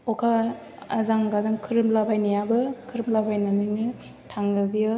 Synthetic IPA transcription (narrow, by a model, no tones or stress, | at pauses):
ɔkʰa | azaŋɡazaŋkʰɯɾɯmlabʱajnijabɯkʰɯɾɯmlabʱajnanɯjnɯ | tʰaŋɡɯbijɯ